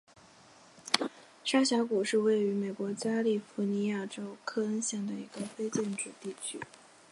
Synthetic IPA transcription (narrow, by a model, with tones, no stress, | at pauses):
ʂa˥ɕja˧˥ku˨˩ʂɻ̩˥˧we˥˩ɪy˧˥me˨˩ɪkwɔ˧˥t͡ɕja˥li˥˩fu˧˥ni˧˥ja˥˩ʈ͡ʂo˥ʊkʰɤ˥ə˥nɕjɛ˥˩nd̪ə˩i˧˥ɡ̥ə˧fe˥ɪt͡ɕjɛ˥˩nʈ͡ʂɻ̩˥˩t̪i˥˩t͡ɕʰy̰˥